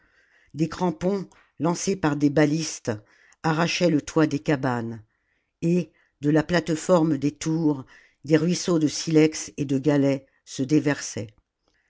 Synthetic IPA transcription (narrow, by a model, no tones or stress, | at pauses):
d̪ekχɑ̃pɔ̃ | lɑ̃sepaʁd̪ebalist̪ | aʁaʃɛlət̪wad̪ekaban | e | d̪əlaplat̪fɔʁmd̪et̪uʁ | d̪eʁɥisod̪əsilɛksed̪əɡʲalɛ | səd̪evɛʁsɛ